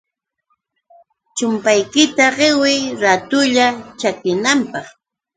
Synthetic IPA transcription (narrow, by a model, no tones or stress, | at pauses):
t͡ʃʊmpajkɪt̪aɢɪwɪjɾat̪ʊʎat͡ʃakɪnampɑχ